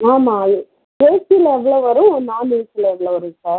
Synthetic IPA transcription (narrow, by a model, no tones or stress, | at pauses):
aːmaːɯ | peːsilɛʋːɐɭoːʋɐɾʊ̃naːniːsɪlɐɛʋːɐɭoːʋɐɾɯkːaːɾ